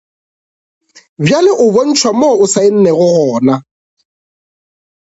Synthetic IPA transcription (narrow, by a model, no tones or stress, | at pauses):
bjalɪʔʊbon̩t͡ʃʰwamoʊsaɪn̩nɛɣʊɣɔːna